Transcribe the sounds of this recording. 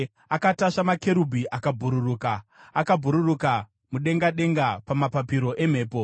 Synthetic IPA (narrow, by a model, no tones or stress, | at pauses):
akataʂamake̞ɾubʱiʔakabʱuɾuruːkaːkabʱuɾuruka | muɗe̞ŋɡaɗe̞ŋɡapamapapiɾo̞ʔe̞m̤e̞ːpo